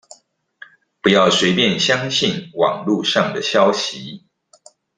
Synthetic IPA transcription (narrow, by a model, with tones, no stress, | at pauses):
pu˨˦jɑ˥˩ʊswe˧ɪpjɛ˥˨nɕjɑ˥ŋɕi˥˨nwɑ̰˨˩ŋlu˥˧ʂɑ˥˨˩ŋd̪ə˩ɕjɑ˦ʊɕi˨˦